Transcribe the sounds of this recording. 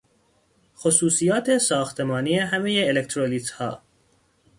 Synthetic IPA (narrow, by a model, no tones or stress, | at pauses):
xosuːsijɒːt̪ʰesɒːxt̪ʰemɒːnieɦæme̞jeːlekt̪ɾoliːt̪hɒ̰ː